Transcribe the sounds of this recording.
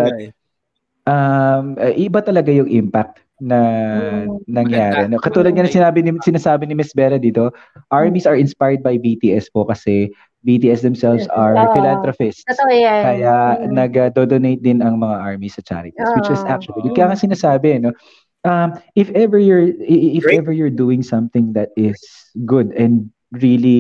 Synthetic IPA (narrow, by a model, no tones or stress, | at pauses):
ʔɐmɐʔɪɪbat̪ɐlɐɡajʊŋʔɪmpak̚t̪ | nɐ | nɐŋjaːɾɛnokɐt̪uːlɐd̪̚kɐnɐsɪnaːbɪnɪsɪnaːsaːbɪnɪmɪsbɛɾɐd̪iːt̪o̞ | ʔaɹmisɐɹɪnspajɹd̪̚bɐjbit̪iʔɛspokɐsɛ | bit̪iːʔɛsd̪ɛmsɛlvsɐɹfɪlãnt̪ɾofɪst̪kɐjanɐɡɐd̪od̪onejt̪̚d̪ɪnɐŋmɐŋaʔaɹmisɐt͡ʃa̰ɾɪt̪iswɪt͡ʃɪsʔak̚t͡ʃʊɐlkjaːŋɐsɪnaːsaːbɛno | ʔɐmʔɪfɛvɛɹjʊɹɪɪfɛvɛɹjʊɹd̪uɪ̃ŋsɐ̃mθɪ̃ŋd̪ɐt̪̚ɪs | ɡʊd̪ɛnd̪̚ | ɹili